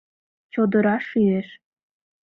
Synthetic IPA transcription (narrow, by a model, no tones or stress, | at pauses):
t͡ɕod̪ə̆ɾɑʃyeʃ